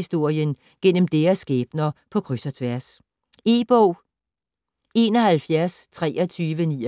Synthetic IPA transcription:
sd̥o̝ɐ̰jən | ɡ̥en̰əm̩d̥eːɐsːɡ̥eːb̥nɐpʰɒ̽kʰʁysɐt͡sʰʋæɐ̰s | e̝ːb̥ɔʊ̰ | e̝ːnɒhælfjæɐst͡sʰʁɛ̰ːɒ̽t͡sʰyːʋəniː

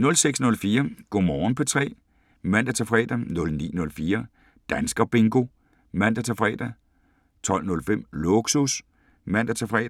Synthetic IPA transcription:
nɔ̽lseɡ̥snɔ̽lfiːɐɡ̥ɔ̰mɒːn̩pʰɒ̽t͡sʰʁɛ̰ː | mæn̰d̥æt͡sʰefʁɛ̰ːd̥ænɔ̽lnḭːnɔ̽lfiːɐ | d̥ænsɡ̥ɐb̥e̝ŋɡ̥o̝ | mæn̰d̥æt͡sʰefʁɛ̰ːd̥æ | t͡sʰɒ̽l̰nɔ̽lfem̰loɡ̥sus | mæn̰d̥æt͡sʰefʁɛ̰ː

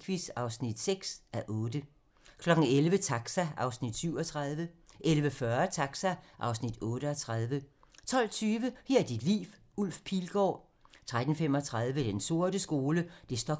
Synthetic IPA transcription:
kʰʋisɑ̈ʊsnid̥seɡ̥sæʔɔ̽ːd̥ə | kʰlɒ̽ɡ̥n̩elʋət͡sʰɑ̈ɡ̥sæʔɑ̈ʊsnid̥syʊɒ̽t͡sʰʁaðˠʋə | ʔelʋəfɶɐt͡sʰɑ̈ɡ̥sæʔɑ̈ʊsnid̥ɔ̽ːɾ̥əɒt͡sʰʁað̞ˠʋə | t͡sʰɒ̽l̰t͡sʰyːʋəhɛɐd̥id̥lḭːf | ul̰fpʰiːlɡ̥ɒ̰ː | t͡sʰʁad̥n̩fem̰ɒ̽t͡sʰʁað̞ˠʋəd̥enso̝ɐd̥əsɡ̥o̝ːləd̥e̝sd̥ɒ

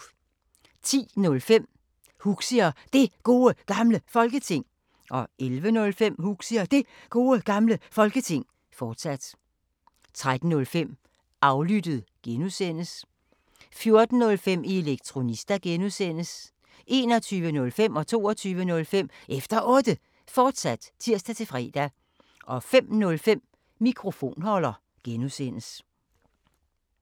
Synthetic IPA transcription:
t͡sʰḭːnɔ̽lfem̰ | huɡ̥siɐd̥e̝ɡ̥o̝̰ːəɡ̥ɑ̈mləfɒ̽lɡ̥ət͡sʰe̝ŋ̰ | ʔɒ̽elʋənɔ̽lfem̰huɡ̥siɐd̥e̝ | ɡ̥o̝ːəɡ̥ɑ̈mləfɒ̽lɡ̥ət͡sʰe̝ŋ̰ | fɒːd̥sæd̥ | t͡sʰʁad̥n̩ːɔ̽lfem̰ | ʔɑ̈ʊlyd̥əð̞̩ˠɡ̥enusen̰əs | fjo̝ɐd̥n̩nɔ̽lfem̰ieleɡ̥̚t͡sʰʁo̝nisd̥æɡ̥enusen̰əs | ʔe̝ːnɒ̽t͡sʰyːʋənɔ̽lfem̰ɒ̽t͡sʰo̝̰ːɒt͡sʰyːʋənɔ̽lfem̰ʔefd̥ɐʔɔ̽ːd̥ə | fɒːd̥sæd̥t͡sʰiɐsd̥æt͡sʰe̝fʁɛ̰ːd̥æ | ʔɒ̽fem̰nɔ̽lfem̰ː | ikʰʁo̝fo̝̰ːnhɒ̽lɐ | ɡ̥enusen̰əs

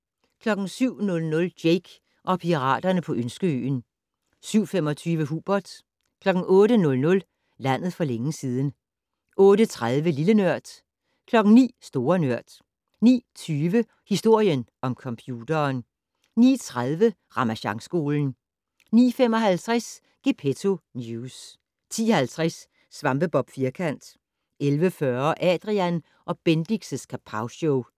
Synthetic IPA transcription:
kʰlɒ̽ɡ̥n̩syʊ̰nɔ̽lnɔ̽ld̥jeɪɡ̥ | ʔɒ̽pʰiʁɑ̰̈ːd̥ɐnəpʰɒ̽ʔønsɡ̥əø̰ːn | syʊ̰femɒ̽t͡sʰyːʋəɦub̥ɒd̥ | kʰlɒ̽ɡ̥n̩ʔɔ̽ːɾənɔ̽lnɔ̽l | læn̰ð̞̩ˠfɒ̽leŋəsiːð̞ˠn̩ | ʔɔ̽ːɾət͡sʰʁað̞ˠʋəlilənɶɐ̰d̥ | kʰlɒ̽ɡ̥n̩nḭːsd̥o̝ːɐnɶɐ̰d̥ | nḭːt͡sʰyːʋə | hisd̥o̝ɐ̰jənʔɒ̽mkʰɒ̽mpʰjuːd̥ɐːn | nḭːt͡sʰʁaðˠʋə | ʁɑ̈mæɕɑ̈ŋsɡ̥o̝̰ːln̩ | nḭːfem̰ɒ̽ɦælt͡sʰʁas | ɡ̥epʰet͡sʰo̝njus | t͡sʰḭːɒhælt͡sʰʁɛsː | ʋɑ̈mb̥əb̥ɒ̽b̥fiɐkʰæn̰d̥ | ʔelʋəfɶɐʔɛ̰ːd̥ʁiæn | ʔɒ̽b̥end̥iɡ̥səskʰæpʰɑ̈ʊsoʊ

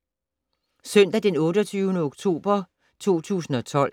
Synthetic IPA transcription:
sœn̰d̥æd̥enɔ̽ːɾɒt͡sʰyːʊnəoɡ̥t͡sʰo̝̰ːb̥ɐ | t͡sʰo̝̰ːt͡sʰṵːsn̩ɒ̽t͡sʰɒ̽l̰

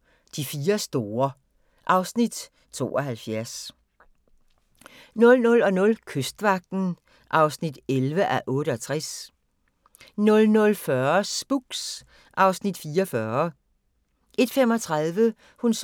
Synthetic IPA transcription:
d̥ifiːɐsd̥o̝ːɐ | ʔɑ̈ʊsnid̥ | t͡sʰo̝̰ːʔɒhælfjæɐs | nɔ̽lnɔ̽lɒ̽nɔ̽lkʰøsd̥ʋɑ̈ɡ̥̚d̥n̩ | ʔɑ̈ʊsnid̥elʋəʔæʔɔ̽ːɾəɒ̽t͡sʰʁas | nɔ̽lnɔ̽lfɶɐsb̥uɡ̥s | ʔɑ̈ʊsnid̥fiːɒfɶɐ | ʔe̝d̥fem̰ɒ̽t͡sʰʁɑðˠʋə | huns

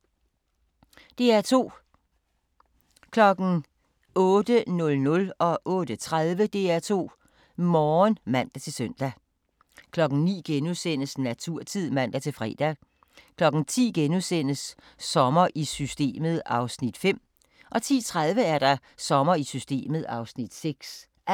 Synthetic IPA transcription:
d̥e̝æɐt͡sʰo̝̰ː | kʰlɒ̽ɡ̥n̩ | ɔ̽ːd̥ənɔ̽lnɔ̽lɒ̽ʔɔ̽ːd̥ət͡sʰʁað̞ˠʋəd̥e̝æɐt͡sʰo̝̰ː | mɒːnmæn̰d̥æt͡sʰe̝lsøn̰d̥æ | kʰlɒ̽ɡ̥n̩nḭːɡ̥enuðˠsen̰əsnæt͡sʰuɐ̰t͡sʰið̰ˠmæn̰d̥æt͡sʰe̝lfʁɛ̰ːd̥æ | kʰlɒ̽ɡ̥n̩t͡sʰḭːɡ̥enusen̰əsː | ɒ̽mɐʔisysd̥e̝̰ːməð̞̩ˠɑ̈ʊsnid̥fem̰ | ʔɒ̽t͡sʰḭːt͡sʰʁað̞ˠʋəæɐɾ̥ɑ̈ | sɒ̽mɐisysd̥e̝̰ːməð̞̩ˠɑ̈ʊsnid̥seɡ̥s

